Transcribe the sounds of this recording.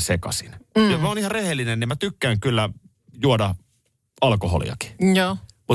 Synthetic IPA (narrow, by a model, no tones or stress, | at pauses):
sekɑ̰sḭnjomæoːnihɑrehelːinennimæt̪ykːæːŋkylːæ | juodɑ | ɑlkoɦo̰lḭjɑ̰ki̥joː | mu